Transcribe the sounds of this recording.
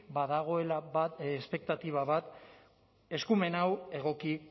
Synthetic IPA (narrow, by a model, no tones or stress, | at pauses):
baðaɣ̞o̞e̞laβaespe̞k̚t̪at̪iβ̞aβat̪ | e̞skume̞nawe̞ɣ̞o̞ki